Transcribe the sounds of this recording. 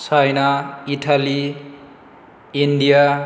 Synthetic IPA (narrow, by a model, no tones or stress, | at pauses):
sajnaiʈʰali | inɖija